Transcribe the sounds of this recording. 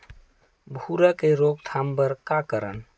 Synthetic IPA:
bʱuɾakeɾoːɡ̚t̪ʰaːmbəɾkakəɾən

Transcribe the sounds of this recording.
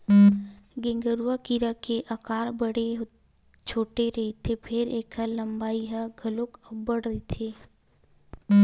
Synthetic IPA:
ɡẽŋɡəɾuwakiɾakeʔəkaːɾbəɽeɦ | t͡ʃʰoːʈeɾɐɦet̪ʰepʰɪɾeːkʰəlɐ̃mbaːiɦəɡʱɐlokəbəɽəɦet̪ʰeː

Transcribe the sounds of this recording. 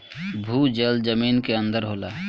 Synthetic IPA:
bʱuːd͡ʒəld͡ʒəmiːnkeə̃nd̪əɾɦoːla̰ː

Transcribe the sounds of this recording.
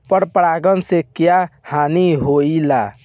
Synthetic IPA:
pəɾpɾaɡənsekjahaniɦoila

